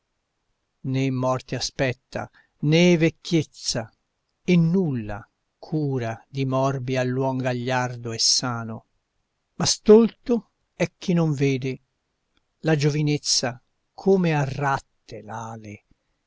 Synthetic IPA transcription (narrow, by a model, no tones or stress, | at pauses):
nemːɔrt̪easpɛt̪ːa̰ | nevekːjet̪sːa | enːulːa̰ | kʰuːɾad̪imɔrbialːwɔŋɡaʎːard̪oɛsːaːno | mast̪olt̪o | ɛkːinoɱveːd̪e | lad͡ʒovinet̪sːa | kʰoːmearat̪ːelaːle